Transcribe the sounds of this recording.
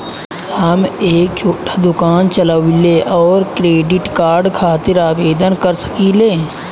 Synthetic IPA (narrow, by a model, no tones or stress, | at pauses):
hɐmeːk̚t͡ʃʰoːʈḁd̪ʊkaːnt͡ʃɐlaʋɪleʔɔːɾkɾeːɖɪʈkaːɾɖkʰaːt̪ɪɾaːʋeːd̪ənkəɾsə̥kiːleː